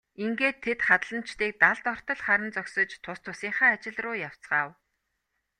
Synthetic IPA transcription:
iŋɡeːt̪ʰːet̪χat̪ɮə̆n̥t͡ɕt̪iːk̚t̪aɮt̪ɔr̥t̪ɞ̆ɮχaɾə̆nt͡sœksɞ̆t͡ɕt̪ʰʊst̪ʰʊsiːɴχaːt͡ɕɪ̆ɮrʊːjaw̥t͡sɢaːw

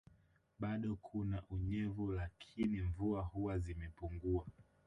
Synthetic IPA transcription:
ɓaɗɔkʰunaʔuɲɛvulakʰiniɱvuahuwazimɛpuŋɡua

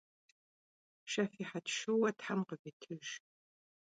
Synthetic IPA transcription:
ʃɐfiːħatʃɨwɐtħamqəvitʰɨʒ

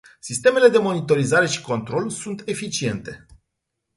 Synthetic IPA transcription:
sist̪e̞me̞le̞d̪e̞mo̞nit̪o̞ɾizaɾe̞ʃi̥ko̞nt̪ɾo̞lsunt̪e̞fit͡ʃie̞nt̪e̞

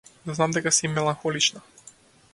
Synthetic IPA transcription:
znamd̪ɛkasimɛlˠaŋxɔlit͡ʃna

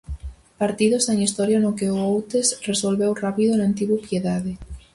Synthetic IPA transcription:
paɾt̪iðoseŋist̪ɔɾjanokeʊowt̪esresolβewrapiðonant̪iɣupjeðaðe

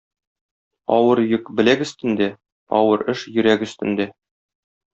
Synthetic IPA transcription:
ɒwɤɾjɵkbɘ̆lækɵ̆st̪ɘ̆nd̪æ | ɒ̰wɤɾɘʃjɵ̆ɾækɵ̆st̪ɘ̆nd̪æ

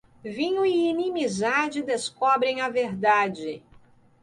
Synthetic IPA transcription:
vĩɲʊiːnĩmizad͡ʒɪd̪eskɔbɾẽj̃ɐveɾd̪ad͡ʒɪ

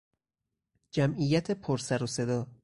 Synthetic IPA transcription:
d͡ʒæmʔijæt̪ʰe̞pʰoɾsæɾose̞d̪ɒː

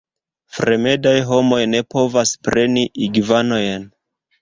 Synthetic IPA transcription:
fɾe̞me̞dajɦo̞mo̞jne̞po̞vaspɾe̞niʔiɡvano̞jn

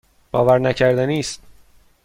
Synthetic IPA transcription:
b̥ɒːvæɾnæcʰæɾd̪æniːst̪̚

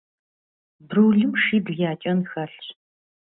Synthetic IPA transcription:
bɾuːɮɨmʂiːbɮjaːt͡ʃʼɐnxɐɬ

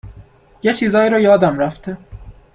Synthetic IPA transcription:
jet͡ʃʰiːzɒːiːɾɒːjɒːd̪æmɾæft̪e

